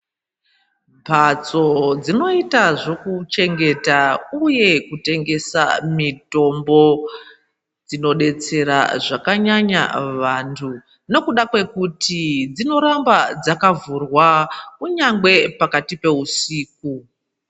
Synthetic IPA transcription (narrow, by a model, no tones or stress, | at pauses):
bʱat͡so̞d͡zino̞itaʐo̞kut͡ʃe̞ŋɡe̞tauje̞kute̞ŋɡe̞sa̰mito̞mbo̞ | d͡zino̞ɗe̞t͡se̞ɾa̰ʐakaɲaɲa̰ʋantʰu | no̞kuɗakwe̞kutid͡zino̞ɾambad͡zakavurwakuɲaŋɡwe̞pakatipe̞usiːk̚u